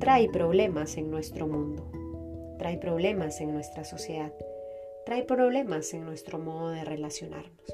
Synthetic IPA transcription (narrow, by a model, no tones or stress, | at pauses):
t̪ɾajpɾo̞β̞le̞mase̞ŋnwe̞st̪ɾo̞mũnd̪ot̪ɾajpɾo̞βle̞mase̞ŋnwe̞st̪ɾaso̞sje̞ðað | t̪ːɾajpɾo̞βle̞mase̞ŋnwe̞st̪ɾo̞mo̞ðoðe̞re̞lasjo̞nʔa̰ɾnos